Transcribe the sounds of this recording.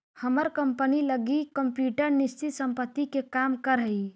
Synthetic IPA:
həməɾkəmpəniləɡikəmpjuʈəɾnist͡ʃit̪səmpət̪ːikekamkəɾɦəi

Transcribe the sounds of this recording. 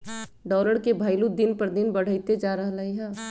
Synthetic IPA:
ɖɔːləɽkebʱaːɪlud̪ɪnpɐɾd̪ɪnbɐɽ̤əit̪ed͡ʒaːɾɐɦlɐɦiɦɛː

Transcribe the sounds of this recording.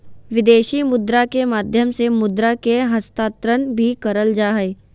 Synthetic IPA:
ʋɪd̪eːʃimʊd̪ɾakemaːd̪ʱjəmsemʊd̪ɾakeɦɐst̪aːt̪ɾənbʱikɐɾəld͡ʒaːɦe

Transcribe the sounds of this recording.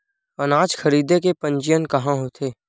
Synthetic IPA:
ənaːd͡ʒxʰɐɾiːd̪ekepɐ̃ɲt͡ʃɪjənkɐɦãɦot̪ʰeː

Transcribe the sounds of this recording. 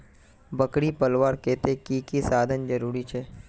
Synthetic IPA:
bəkɽipəlʋaːɾkeːt̪ekikisaːd̪ʱənd͡ʒɐɾuːɾit͡ʃʰɛː

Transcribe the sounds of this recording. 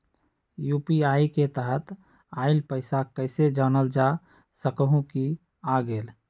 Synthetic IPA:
juːpiaiket̪əɦət̪ | aɪlpəɪsakəɪsed͡ʒanəld͡ʒa | səkəɦũki | aɡeːl

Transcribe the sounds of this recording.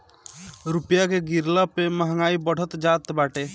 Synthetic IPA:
ɾupjakeɡiɾlapeməɦŋaːibəɽ̤ət̪d͡ʒat̪baːʈe

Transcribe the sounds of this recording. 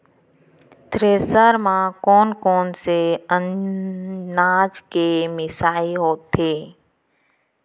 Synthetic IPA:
t̪ɾeːsəɾmãkɔːnkɔːnseənː | aːd͡ʒkemɪsaːiɦoːt̪ːeː

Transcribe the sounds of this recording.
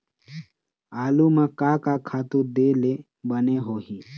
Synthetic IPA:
aːlumãkaːkakʰaːt̪uɾd̪ele | bəneɦoːɦiː

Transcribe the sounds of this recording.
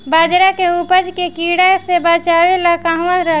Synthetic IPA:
bad͡ʒɾakeupəd͡ʒkekiɽasebət͡ʃawelakaɦʋə̃ɾə

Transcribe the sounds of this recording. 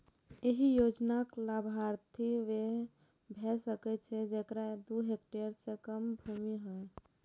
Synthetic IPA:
eɦijod͡ʒnaklabʱaɾt̪ʰiʋe | bʱɛsəkɛt͡ʃʰɛd͡ʒekɾad̪uɦek̚ʈeɾsẽkəmbʱumiɦɛj

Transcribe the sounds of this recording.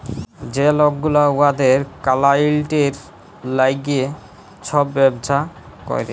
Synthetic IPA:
d͡ʑelɔɡːulauad̪eɾkalailʈeɾ | lajɡie | t͡ɕʰɔbːɛbd͡ʑʰʱa | kɔ̰jɾe

